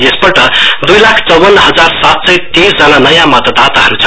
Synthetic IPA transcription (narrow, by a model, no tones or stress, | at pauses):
esbʌʈʌd̪ujlakʰt͡sʌwːʌnːɦʌd͡zaɾsat̪sʌjt̪eɾd͡zʌnanʌjãmʌt̪ad̪at̪aɦʌɾut͡sʰʌ̥